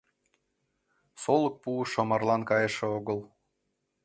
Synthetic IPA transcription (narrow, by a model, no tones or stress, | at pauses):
solək̚puʃomɑrlɑnkɑjeʃĕoɣəlˠ